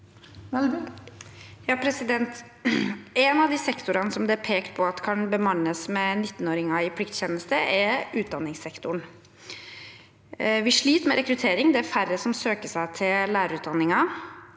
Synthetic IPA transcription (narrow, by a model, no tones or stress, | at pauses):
jɑːpʰɾɛsɪd̪ɛnt̪ | ɛnɑʋd̪isɛkt̪ʊɾɑnəsɔmd̪ɛæpʰeːkt̪pʰɔɑt̪kʰɑnbəmɑnːəsmɛnɪt̪ːən̩oːɾɪŋɑɪpʰlɪkt̪çɛːnəst̪əʔɛɾʉːt̪̚d̪ɑnːɪŋsɛkt̪ʊɳ | ʋɪʂɭiːt̪mɛɾɛkɾʉt̪ʰeːɾɪŋd̪ɛæɾfærːəsɔmsøːkəʂæɪt̪ʰɪlæːɾəɾʉːt̪̚d̪ɑnːɪŋɑ